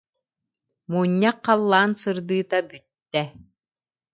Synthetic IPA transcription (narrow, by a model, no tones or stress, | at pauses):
muːɲːaqːalˠːaːnsɯɾd̪ɯːt̪abyt̪ːɛ